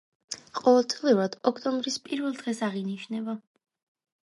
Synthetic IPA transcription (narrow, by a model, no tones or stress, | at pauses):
qʼɔvɛlˠt̪sʼliuɾad̪̥ɔkʰt̪ʼɔmbɾispʼiɾvɛlˠd̪ʁɛsaʁiniʃnɛba